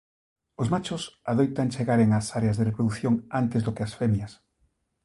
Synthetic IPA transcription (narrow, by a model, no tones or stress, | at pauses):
ozmat͡ʃʊsaðojt̪ant͡ʃeɣaɾeŋasaɾeazðerepɾoðuθjoŋant̪ezðokeasfemjas